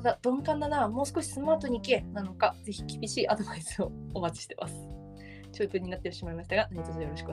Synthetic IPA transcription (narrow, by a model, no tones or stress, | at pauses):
nad̪ad̪̥õ̞ŋkãnd̪anamo̞ːsɨ̥ko̞ɕi̥sɨmaːt̪o̞ɲ̟iːkenano̞kaze̞çi̥kʲibʲiɕiːʔad̪o̞baisɨoomat͡ɕi̥ɕi̥t̪e̞mʔa̰sɨ̥ | t͡ɕɨːt̪ɨːɲ̟inat̪ːeoɕimaimaɕi̥t̪aɡanaɲʲit̪ozojo̞ɾoɕi̥kɯo